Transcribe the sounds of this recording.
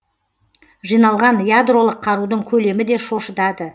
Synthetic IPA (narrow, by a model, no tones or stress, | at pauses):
ʒijnɑlˠʁɑnjad̪ro̞lˠəqʰːɑɾud̪əɴkʲʰɵle̞mɪd̪e̞ʃo̞ʃəd̪ɑd̪ə